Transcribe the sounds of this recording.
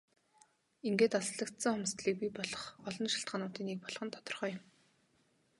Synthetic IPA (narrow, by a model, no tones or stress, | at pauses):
iŋɡeːt̪aɮɮə̆kt̪sə̆ŋχʊmst̪ɮiːk̚pʲipɔɮɞ̆χɔɮɞ̆nʃi̥ɬt̪̚ɢanʊːt̪iːnːek̚pɔɮχɞ̆nt̪ʰɔ̥t̪ɞ̆rχœːjʊ̆m